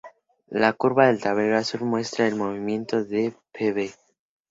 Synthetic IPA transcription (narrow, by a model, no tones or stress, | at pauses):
lakuɾβaðe̞lt̪aβeɣasuɾmwe̞st̪ɾaelmo̞βimje̞nt̪o̞ðepʰeβe